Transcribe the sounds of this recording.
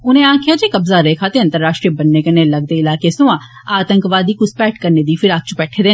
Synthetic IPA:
ʊnẽːãːkʰjaːd͡ʒeːkəbzaːɾeːkʰaːt̪eːənt̪əɾːaːʃʈɾiebənːeːkəneːləɡ̚d̪eːɪlaːkeːsʊãː | aːt̪əŋkʋaːd̪iːkʊspɛːʈkəɾneːd̪iːpʰɪɾak̚t͡ʃpɛːʈʰeːd̪eː

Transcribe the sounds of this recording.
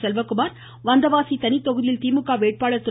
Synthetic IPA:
sɛlʋɐkːɯmaːɾ | ʋɐnd̪ɐʋaːsit̪ɐnɪt̪ːɔɣɯðɪjɪlt̪iːmɯkːaːʋeːʈ̚paːɭɐɾt̪ɯ

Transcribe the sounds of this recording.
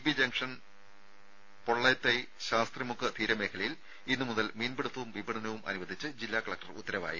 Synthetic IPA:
ibid͡ʑɐŋkʂɐn | po̞ɭːɐt̪ːe | ɕaːst̪rimukːɨt̪ʰiːɾɐme̞ːkʰɐɭɐjil | inːɨmuðɐlmiːnbeɽut̪ːɐʋumʋibɐɳɐnɐʋumɐ̰nuʋɐd̪ʱit͡ɕːɨd͡ʑilːaːkɐɭɐk̚ʈɐrṵt̪ːɐɾɐʋa̰ːjḭ

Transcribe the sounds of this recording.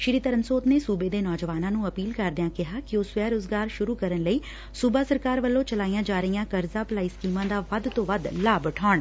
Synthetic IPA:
ʃɪɾiːt̪əɾəmsoːt̪neːsuːbeːd̪eːnɔːd͡ʒəʋaːnãːnũːəpiːlkəɾd̪ɪãːkɪɦaːkɪoːsʋɛːɾoːzɡaːɾʃʊɾuːkəɾənləiː | suːbaːsəɾkaːɾʋəlːõːt͡ʃəlaːijãːd͡ʒaːɾəijãːkəɾzaːplaːiːskiːmãːd̪aːʋəd̪t̪õːʋəd̪laːbəʈʰɔːɳ

